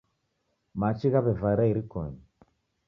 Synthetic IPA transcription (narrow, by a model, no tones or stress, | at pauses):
mat͡ʃiɣaβɛvaiɾaiɾikɔ̰ɲi